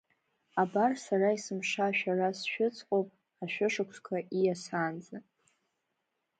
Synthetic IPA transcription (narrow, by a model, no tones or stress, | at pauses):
abarsaraisɨmʂaʃᶣarasʃᶣʊt͡sʰʼqʼowpʼ | aʃᶣʊʂɨkʷʰskʷʰaʔijasaːnd͡za